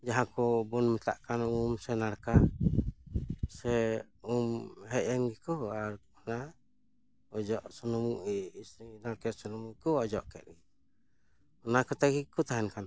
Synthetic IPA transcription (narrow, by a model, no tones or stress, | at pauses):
d͡ʒaɦakɔbɔnmɛt̪a̰ʔkanumsɛnaɾka | sɛumɦɛʔɛnɡikɔaɾ | ɔna | ɔd͡ʒɔʔsɔnɔmuʔisinaɾkɛt̪sɔnɔmukɔɔd͡ʒɔʔkɛ̰t̪̚ɡi | ɔnakɔt̪aɡikɔt̪aɦɛnkan